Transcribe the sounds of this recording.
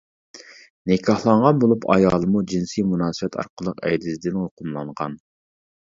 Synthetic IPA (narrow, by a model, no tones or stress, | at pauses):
nɪkʰɑhlˠɑɴʁɑnbolˠupʰɑ̰jɑːlˠəmud͡ʒinsimunɑːsɨwɛt̪ʰɑ̰ɾqʰəlˠːəqɛ̰jd̪ɪzɪd̪ɪnoqʰʊmlˠɑɴʁɑ̰n